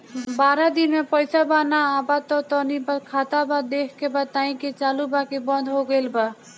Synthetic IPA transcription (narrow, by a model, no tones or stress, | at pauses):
baɾad̪inmepəjsabanaːbat̪ɔt̪ɔnibakʰat̪abad̪ekʰkebat̪aĩket͡ʃalubakebə̃nd̪ʱɦoɡelba